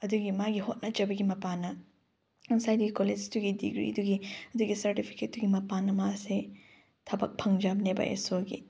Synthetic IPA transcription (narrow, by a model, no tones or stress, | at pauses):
ɐduɡimaɡihot̚nɐd͡ʒɐbɐɡimɐpanɐ | ŋsajduɡikoled͡ʒtuɡidḭɡɾḭɐduɡiɐduɡisɐɾtipʰi̥ket̚duɡimɐpanɐmase | tʰɐbɐ̰k̚pʰɐŋd͡ʒabnebɐ̰ʔḛsoɡḭ